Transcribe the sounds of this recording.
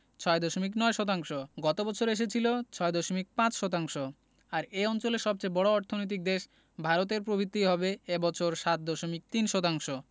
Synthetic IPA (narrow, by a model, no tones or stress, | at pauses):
t͡ɕʰɔed̪ɔʃomik̬nɔeʃɔt̪̬aŋʃoɡɔt̪obɔt͡ɕʰoɾeʃ̬et͡ɕʰilot͡ɕʰɔed̪ɔʃomik̚pãt͡ɕʃɔt̪̬aŋʃo | aɾeɔnt͡ɕoleɾʃɔb̚t͡ɕejbɔɽoɔɾt̪ʰonojt̪̬ik̚d̪eʃ | bʱaɾot̪̬eɾpɾobʱit̪ːiɦɔbeebɔt͡ɕʰoɾʃat̪̚d̪ɔʃomik̚t̪inʃɔt̪aŋʃo